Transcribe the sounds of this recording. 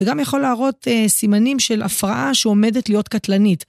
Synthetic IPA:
ɡamjaχo̞laːʁo̞tesimanimʃelʔafʁaʔaʃeome̞d̪etlijo̞t̪kat̪lanit

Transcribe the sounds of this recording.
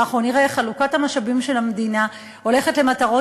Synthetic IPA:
aχʁo̞niʁaeχalukathamaʃabimʃe̞lamed̪ina | ho̞leχetle̞mataʁo̞

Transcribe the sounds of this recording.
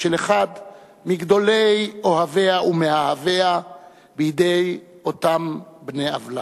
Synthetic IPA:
ʃeleχad̪ | miɡd̪o̞lejohave̞aʔumehahavea | bejd̪e̞j | o̞t̪ambneavla̰

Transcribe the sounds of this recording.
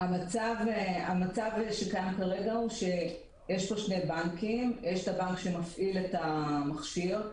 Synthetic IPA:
amat͡saveamat͡savʃe̞kajamkaʁe̞ɡauʃe̞ | jeʃpoʃne̞jbaŋkimjeʃtabaŋkʃemafʔiletamaχʃiʁ

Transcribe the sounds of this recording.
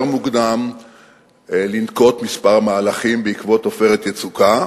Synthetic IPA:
ʁmuɡd̪am | linko̞tmispaʁamaːlaχimbeikvo̞tofe̞ʁet̪jet͡suka

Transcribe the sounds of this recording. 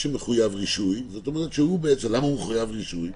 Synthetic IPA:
ʃemeχujavʁiʃujzotomeʁet̪ʃehubeet͡semlamaumeχujavʁiʃuj

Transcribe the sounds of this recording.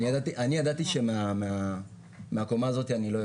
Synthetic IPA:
iadatiʔaniadatiʃɛmama | meakɔmazɔteanilɔ

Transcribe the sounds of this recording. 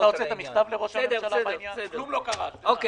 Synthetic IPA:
laot͡seːt̪amiχt̪avleʁoʃaʃalaaaklumlokaχaok

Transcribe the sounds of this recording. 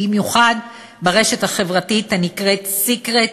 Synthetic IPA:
imjuχad | baʁe̞ʃe̞thaχe̞vʁatithanikʁetsikʁet

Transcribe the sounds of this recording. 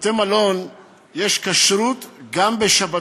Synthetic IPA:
t̪emalo̞n | jeʃkaʃɾut̪ɡambeʃaba

